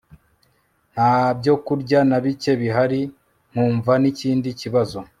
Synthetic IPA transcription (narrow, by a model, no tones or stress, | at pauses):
n̥haːbɟo̞kuɾɟanaβice̞βiɦaɾi | ŋ̥uːɱvaniciːndiciβazo̞